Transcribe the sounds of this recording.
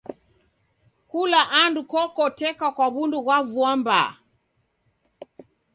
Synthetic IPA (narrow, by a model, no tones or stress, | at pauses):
kulaʔandukɔkɔtɛkakwaβunduɣwavuamba̰